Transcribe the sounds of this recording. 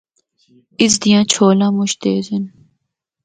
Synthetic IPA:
ɪs̬d̪ijãːt͡ʃʰoːlãːmʊʃt̪eːzɐn

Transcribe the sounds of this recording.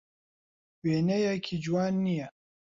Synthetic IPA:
wenɛjakʰid͡ʒwanːija

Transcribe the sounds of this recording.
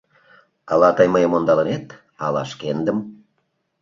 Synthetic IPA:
ɑlɑt̪ɑjməjəmond̪ɑlə̆net̪ | ɑlɑ̰ʃkend̪əm

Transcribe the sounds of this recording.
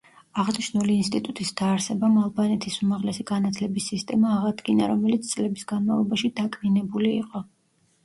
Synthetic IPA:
aʁniʃnuliːnst̪ʼit̪ʼut̪ʼisd̪̥aːɾsɛbamalˠbanɛt̪ʰisumaʁlɛsiɡ̥anat̪ʰlɛbisːist̪ʼɛmaːʁad̪ɡina̰ɾɔmɛlit̪sʰt̪sʼlɛbisɡanmalˠɔbaʃid̪akʼninɛbulḭːqʼɔ

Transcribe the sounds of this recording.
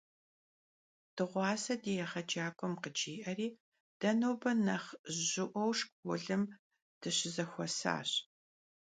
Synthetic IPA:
d̥ɨʁʷɑːsɐdijɛχɐd͡ʒaːkʷʼɔmqəd͡ʒiːʔɐriː | d̥ɐnowbɐnɐχʑɨʔʷɔwʂkʼʊɮɨm | d̥ɨɕɪzɐxʷɔsa̰ːɕ

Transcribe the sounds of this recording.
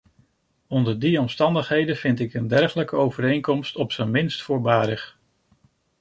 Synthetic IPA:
ɔndəɹdiɔmstɑndəχɦejdənv̥ɪntɪkəndɛɹχələkəowvəɾejŋkɔmstɔpsənmɪnstfʊːɹbaːɾəχ

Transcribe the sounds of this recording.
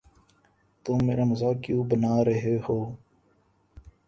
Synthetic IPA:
t̪oːeːɾaːməzaːkjũːbənaːɾəɦeːhoː

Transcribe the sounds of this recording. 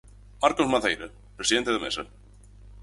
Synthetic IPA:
maɾkɔsmaθeːjɾɪ | pɾɛsiðɛnt̪ɪðamɛ̰sa

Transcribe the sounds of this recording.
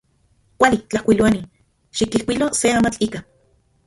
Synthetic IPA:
kʷalit͡ɬahkʷiluani | ʃikihkʷiloseaːmat͡ɬiːka

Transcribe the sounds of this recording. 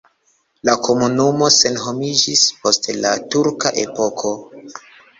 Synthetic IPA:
lako̞munumo̞se̞nɦo̞mid͡ʒispo̞stla̰tuɾkaʔe̞po̞kʰo̞

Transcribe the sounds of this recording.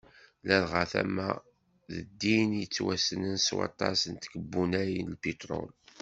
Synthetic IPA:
lælʁaθæ̰mæ | ðə̰d̪ːinjət͡sːwæsənənswɑ̰t̪ˤɑsənt̪kəbːunæjinlpit̪ɾɔ̰l

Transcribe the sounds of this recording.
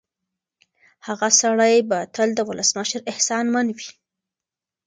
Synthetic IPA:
haɣasaɽajbat̪əld̪əwʊləsməʃɾɪhsɑnmanwi

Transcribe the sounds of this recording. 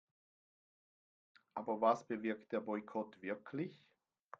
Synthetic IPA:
ʔaːbɐvasb̥əvɪɐkt̚d̥eːɐbɔʏkʰɔtv̥ɪɐkʰlɪç

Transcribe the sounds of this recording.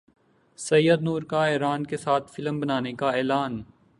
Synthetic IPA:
sɐjəd̪nuːɾkaɛːɾaːnkesaːt̪ʰfɪləmbɐnaːnekaɛːlaːn

